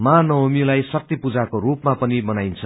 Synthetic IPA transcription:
manʌɦomilajsʌk̚t̪ipud͡zakoɾupmapʌnimʌnajnt͡sʰʌ

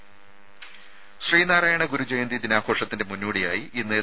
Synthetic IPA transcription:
ɕriːnaːɾaːjɐɳɐɡuɾud͡ʑejɐnd̪id̪inaːkʰo̞ːʂɐt̪ːinde̞munːuːɽijaːjiʔinːe

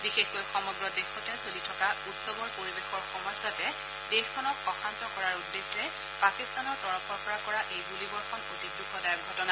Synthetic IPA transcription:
bixexkojxɔmɔɡɹɔdexɔtɛsolitʰɔkautsɔbɔɹpoɹibexɔɹxɔmɔjsatɛ | d̥exkʰɔnɔk̚ɔxantɔkɔɹaɹudːesɛ | pakist̪anɔɹtɔɹɔpʰɔɹpɔɹakɔɹaʔejbulibɔɹxɔnotik̚dukɔdajɔk̚ɡʱɔtɔna

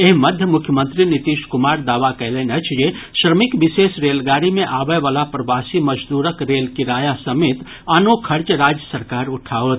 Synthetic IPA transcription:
eɦmɐd̪ʱjəmʊkʰjəmə̃nt̪ɾinɪt̪iːʃkʊmaːɾd̪aːʋakɛːlenɐt͡ʃʰjeʃɾəmɪkʋɪseːsɾeːlɡaːɾimẽʔaːbəʋəlapɾɐʋaːsimɐd͡ʒd̪uːɾəkɾeːlkiɾaːjasɐmeːt̪ | aːnokʰɐɾt͡ʃəɾaːd͡ʒjəsɐɾkaːɾʊʈʰaːot̪

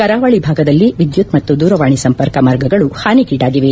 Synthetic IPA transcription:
kɐɾaːʋɐɭibʱaːɡɐd̪ɐlːiʋid̪jut̪mɐt̪ːud̪uːɾɐʋaːɳisɐmpɐɾkɐmaɾɡɐɡɐɭuhaːnikiːɖaːɡiʋe

